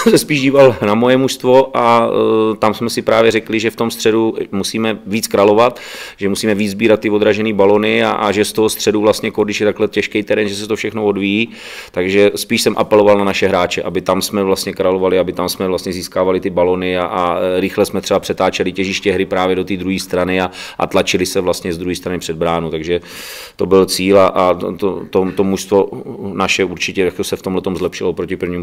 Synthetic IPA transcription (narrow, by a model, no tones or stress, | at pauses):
msɛspiːʒɟiːvalnamojɛmuʃst̪vo̞ʔat̪amsmɛsɪpɾaːvjɛɾɛklɪʒɛft̪o̞mst̪r̝̥ɛdumusiːmɛviːt͡skɾalo̞vat̪ʒɛmusiːmɛviːd͡zzbiːɾat̪ːɪvo̞d̪ɾaʒɛniːbalonɪa̰ʔa̰ʒɛst̪oɦost̪r̝̥ɛduvlast̪ɲɛkodɪʃjɛt̪aklɛcɛʃkɛjt̪ɛɾɛnʒɛsɛt̪ofʃɛxnovodvijiː | t̪aɡʒɛspiːʃsɛmʔa̰pɛlo̞valnanaʃɛɦɾaːt͡ʃɛʔabɪt̪amsmɛvlast̪ɲɛkɾalovalɪabɪt̪amsmɛvlast̪ɲɛziːskaːvalɪt̪ɪbalo̞nɪaʔaɾɪxlɛsmɛt̪r̝ɛbapr̥ɛt̪aːt͡ʃɛlɪcɛʒɪʃcɛɦɾɪpɾaːvjɛdo̞t̪iːd̪ɾuɦiːst̪ɾanɪaʔa̰t̪lat͡ʃɪlɪsɛvlast̪ɲɛzd̪ɾuɦiːst̪ɾanɪpr̝̥ɛd̪̚bɾaːnut̪aɡʒɛ | t̪o̞bɪlt͡siːlaʔat̪ot̪ot̪o̞muʃst̪vo̞naʃɛuɾt͡ʃɪcɛj̪akt̪osɛft̪omlɛt̪o̞mzlɛpʃɪloopɾocɪpɾ̩vɲiːm